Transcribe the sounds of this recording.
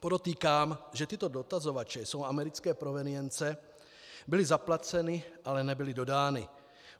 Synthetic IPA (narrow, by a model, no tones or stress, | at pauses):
poɾot̪iːkaːmʒɛt̪ɪt̪o̞do̞t̪azo̞vat͡ʃɛso̞wʔamɛɾɪt͡skɛːpɾovɛnɪjɛnt͡sɛ | bɪlɪzaplat͡sɛnɪʔalɛnɛbɪlɪdo̞daːnɪ̰